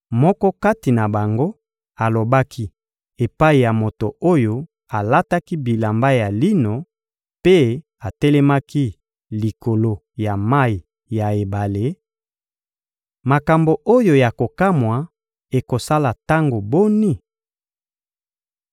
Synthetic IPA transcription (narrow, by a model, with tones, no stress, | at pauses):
mɔ˦kɔ˦ka˦ti˨na˨ba˨ŋɡo˦ | a˨lo˨ba˦kʰi˦ | e˨pa˦i˨ja˨mo˨to˨o˦jo˦ | a˨la˦ta˦ki˦bi˨la˨mba˦ja˨li˦no˨ | pe˦ | a˨tɛ˦lɛ˦ma˦ki˦ | li˨ko˨lo˦ | ja˨ma˦i˨ | ja˨e˨ba˨le˦ | ma˨ka˨mbo˨ʔo˦jo˨ja˨ko˨ka˦mwa˨ | e˨ko˨sa˦la˨ta˦ŋɡo˨bo˦ni˦